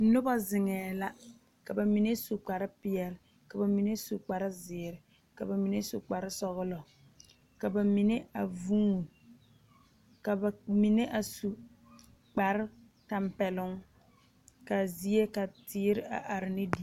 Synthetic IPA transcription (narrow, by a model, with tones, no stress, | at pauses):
nʊ˦ba˦zɪ˨ŋɛː˨la˦ | ka˨ba˨mi˨ne˦su˨k͡pa˨ɾɪ˦pɪ˨ɛ˨lɪ˨˦ | ka˨ba˨mi˨ne˦su˨k͡pa˨ɾɪ˦zɪː˨ɾɪ˨ | ka˨ba˨mi˨ne˦su˨k͡pa˨ɾɪ˦sɔ˦ɣʊ˦lɔ˨ | ka˨ba˨mi˨ne˦a˨vu˦ŋ˨ | ka˨ba˨mi˨ne˦ʔa˨su˨ | k͡pa˨ɾɪ˦ | ta˨mpɛ˨lʊ˦ŋ | ka˨zi˦e˦ka˨tɪː˦ɾɪ˦a̰˨ʔa˨ɾɪ˨nɪ˦di˨˦